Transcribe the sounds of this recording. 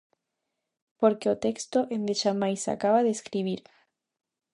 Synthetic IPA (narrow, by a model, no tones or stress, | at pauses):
poɾkeot̪ekst̪oʔend̪eʃamajsa̰kaβaðeskɾiβ̞iɾ